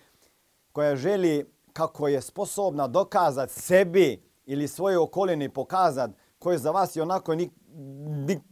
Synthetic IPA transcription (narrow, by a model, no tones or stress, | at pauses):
kojaʒeli | kakʰojesposobnad̪okaːzat̪sebi | ilisʋojookolinipokaːzat̪ | kojezaʋaːsjeonakoni | ni